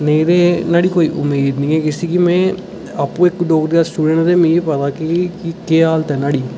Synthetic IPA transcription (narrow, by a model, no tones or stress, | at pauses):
neːɾeːnaːɽiːkoːiʔʊmːiːd̪nĩːɛːkɪsiːkimɛ̃ː | aːpũːɪkɖoːkɾiaːsʈuːɖə̃nd̪eːmĩːipət̪aːkikikeaːlt̪ɛːnaːɽiː